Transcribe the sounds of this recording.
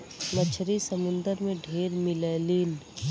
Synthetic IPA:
mət͡ʃʰɾisəmʊ̃nd̪əɾmẽɖʱeːɾmɪleliːn

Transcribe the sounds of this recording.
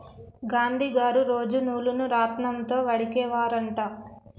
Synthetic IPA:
ɡaːnd̪ʱiːɡaːɾuɾo̞ːd͡ʒunuːlunuɾaːt̪nɐmt̪o̞ːʋɐɽikɛːʋaːɾɐɳʈaː

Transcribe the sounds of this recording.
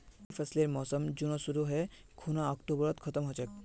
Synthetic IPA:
fʰɛsleɾmɔsɔmd͡ʑunoʃuɾuɦe | kʰunaɔkʈobɾɔt̪kʰɔt̪ɔmɦɔt͡ɕʰek

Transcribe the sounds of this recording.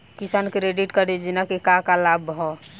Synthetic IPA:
kisankɾeɖiʈkəɾid͡ʒinakekakalabɦɔ

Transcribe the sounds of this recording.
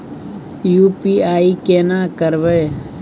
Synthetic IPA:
jupiːaːikeːnaːkəɾʋeː

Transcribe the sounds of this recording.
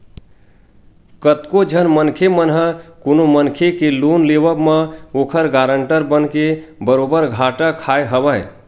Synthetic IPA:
kət̪kod͡ʒʱənmənkʰemənɦəkonomənkʰekelonlebəbmə̃okʰəɾɡaɾəɳʈəɾbənkebəɾobəɾɡʱaʈəkʰaeɦəbəj

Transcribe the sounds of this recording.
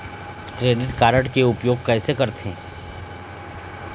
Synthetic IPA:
kɾeːɖɪʈkaːɾəʈkeʊpjoːɡ̚kɛːsekɐɾt̪ʰẽ

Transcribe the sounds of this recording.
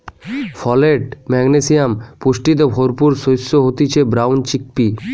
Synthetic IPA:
fʰɔleʈmɛɡnesijampuʃʈit̪̬obʱoɾpuɾsojsːoɦot̪it͡ɕʰebɾawnt͡ɕik̚pi

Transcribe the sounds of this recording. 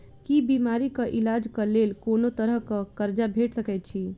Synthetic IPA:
kibimaɾikəʔilad͡ʒkəlelkonot̪əɾəɦkəkəɾd͡ʒabʱeʈsəkɛt̪̚t͡ʃʰi

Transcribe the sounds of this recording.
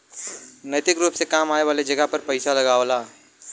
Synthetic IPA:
nɐt̪ɪkɾuːpsekaːmaːeʋaːled͡ʒɐɡəɦpɐɾpɐɪsalɐɡaːʋlaː

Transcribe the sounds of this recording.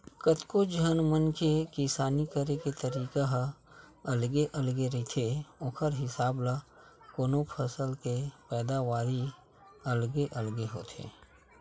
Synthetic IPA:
kət̪kod͡ʒənmənkekisaːnikəɾeket̪əɾiːkaɦ | ɐlɡeʔəlɡeɾit̪ʰeoːkʰəɾɦɪsaːbla | koːnopʰəsəlkepɛːd̪aʋaːɾi | əlɡeʔəlɡeɦo̰ːt̪ʰḛː

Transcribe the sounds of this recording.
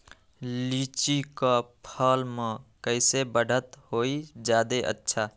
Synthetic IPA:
lit͡ʃikapʰəlmekəɪsebəɽʱət̪hoid͡ʒjaːd̪eʔə̰tːʃʰa

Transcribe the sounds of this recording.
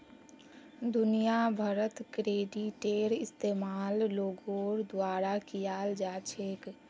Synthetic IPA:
d̪ʊnijabʱəɾət̪kɾeːɖiʈeːɾɪst̪eːmaːlloːɡoːɾd̪waːɾakijaːld͡ʒaːt͡ʃʰeːk

